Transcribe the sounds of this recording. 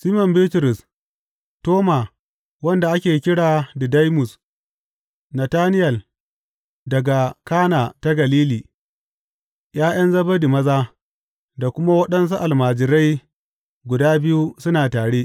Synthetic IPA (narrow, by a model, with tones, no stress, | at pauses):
siː˦mɔ˨mbi˦tɾʊ˨s | toː˦ma˨ | wɐ˦nda˨ʔa˦kʲeː˨kʲɪ˦ɽaː˨di˨da˦jmʊ˨s | nɐ˨taː˦nɪ˦jɐ˨l | dɐ˨ɡa˨kaː˦naː˨ta˦ɡɐ˨liː˦liː˨ | j̰aː˦j̰ʔɐ˦nzɐ˦ba˦di˨mɐ˦zaː˦ | da˨kʷʊ˦ma˦wɐ˦ɗɐ˦ns̬u˦ʔa˨lmaː˨d͡ʒɪ˨ɾa˦j | ɡʷʊ˨daː˦bɪ˦ju˦sʊ˦naː˨taː˨ɽeː˦